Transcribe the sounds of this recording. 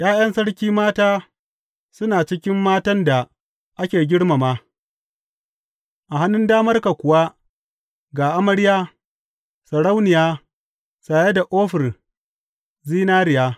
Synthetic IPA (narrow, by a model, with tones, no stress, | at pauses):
j̰aː˦jɐ˦nsɐ˦ɽkʲiː˦maː˦taː˦ | sʊ˦naː˨t͡ʃɪ˦kʲɪ˦mːaː˦tɐ˦nda˨ | ʔa˦kʲeː˨ɡʲɪ˦ɽma˨maː˦ | ʔa˨ɦa˦nːʊ˦ndaː˦mɐ˦rka˨kʷʊ˨wa˦ | ɡaː˨ʔa˦mɐ˦ɽɪ˦jaː˦ | sɐ˨ɽa˦wnɪ˨jaː˦ | saː˨je˦da˨ʔoː˦ɸɪ˨r | ziː˦naː˦ɾɪ˨jaː˦